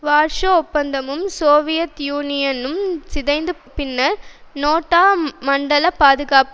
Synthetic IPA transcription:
ʋaːɾʂɐɔpːɐnd̪ɐmɯmsoːʋɪjɐt̪juːnɪjɐnɯmsɪðɐɪnd̪ɯpːɪnːɐnoːʈːaːmɐɳɖɐlɐpaːðɯɣaːp

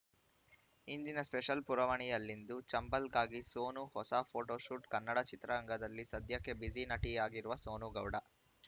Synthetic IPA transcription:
iɲd͡ʒinɐspɛʃɐlpuɾɐʋɐɳijɐlːind̪ut͡ʃɐmbɐlɡaːɡisoːnuhɔsapʰoːʈoːʃuʈkɐnːɐɽɐt͡ʃit̪ɾɐɐŋɡɐd̪ɐlːisɐd̪jɐkːe̞bid͡ʒinɐʈijaːɡiɾuʋɐso̞ːnuɡɐwɽɐ

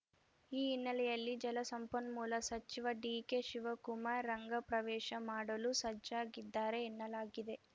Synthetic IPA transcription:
iːnːɐlɛjɐlːid͡ʒɐlɐsɐmpɐnmuːlɐsɐt͡ʃiʋɐɖiːkeʃiʋɐkumaːɾːɐŋɡɐpɾɐʋɛːʃɐmaːɽɐlusɐd͡ʒaːɡid̪ːaːɾe̞ːnːɐlaːɡid̪e̞

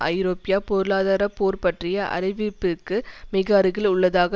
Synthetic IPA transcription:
ʔɐ̰ɪɾoːpɪjaːpɔɾɯɭaːðaːɾɐpoːɾpɐʈrɪjɐʔɐ̰ɾɪʋɪpːɪkːɯmɪɣaːɾɯɣɪlʊɭːɐðaːɣɐ

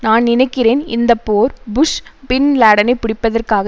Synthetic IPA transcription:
naːnnɪnɐɪkːɪreːnɪ̰nd̪ɐpːoːɾbʊʂpɪnlaːɽɐnɐɪpːɪɽɪpːɐðɐrkaːɣɐ

